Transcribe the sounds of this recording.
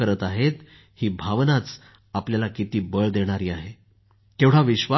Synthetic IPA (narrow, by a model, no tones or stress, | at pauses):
əɾət̪aɦet̪ | hiːbʱaʋnat͡s | apljalakit̪iːbəɭd̪eɽ̃aɾiːaɦe | t̪eʋɽ̤aʋiɕʋa